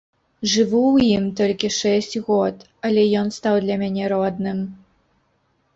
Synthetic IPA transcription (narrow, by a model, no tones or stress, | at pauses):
ʐɨvuwjimt̪ɔlʲkʲiʂɛsʲt͡sʲɣɔt̪ | ɐlʲɛjɔnst̪awd̪lʲɐmʲanʲɛɾɔd̪nɨm